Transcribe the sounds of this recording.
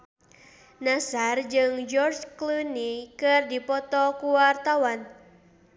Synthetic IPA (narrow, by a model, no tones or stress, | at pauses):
nasard͡ʒɨŋd͡ʒɔrd͡ʒklunikɨrdipɔt̪ɔkuwart̪awan